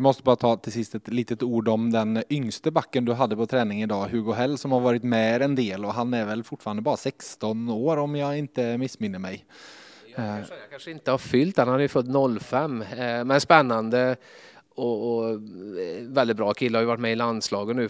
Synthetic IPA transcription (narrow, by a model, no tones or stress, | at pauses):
d̪ɪmɔst̪əbɑːɾat̪ʰɑːt̪ʰɪlsɪst̪ɛt̪liːt̪ət̪uːɖɔmd̪ɛnʏŋst̪əbakːənd̪ɵɦad̪ːəpʰɔt̪ʰɾɛːnɪŋɪd̪ɑːɦʉɡɔɦɛlːsɔmhaɾvɑːɾɪt̪mɛɾɛnd̪eːlɔɦanæɾvɛlfʊʈfɑːɾand̪əbɑːɾasɛkst̪ɔnoːɾɔmjɑɪnt̪əmɪsːmɪnːəɾmɛj | kanʂəɪnt̪əhaɾfʏlt̪hanhad̪əjɵfœt̪ːnɔlːfɛmːmɛnspɛnːand̪ə | ɔɔ | vɛld̪ɪt̪̚bɾɑːkʰɪlːəhajʉvaʈːmɛɪland̪slɑːɡət̪nʉ̟ː